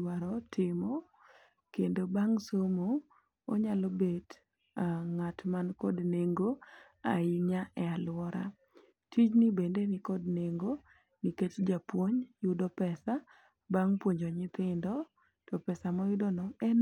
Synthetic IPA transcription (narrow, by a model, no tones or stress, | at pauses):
waɾɔtʰɪmo | kendobaŋsomoː | ɲalɔbed | aŋatmankɔdneŋɡo | aiɲaɛalwɔɾa̰ | tʰit͡ʃnibendenikɔdneŋɡo | niket͡ʃd͡ʒapwoɲjʊdɔpɛsa | baŋpwoɲd͡ʒɔɲɪt̪ɪndɔ | tɔpɛsamɔjʊdɔnɔɛn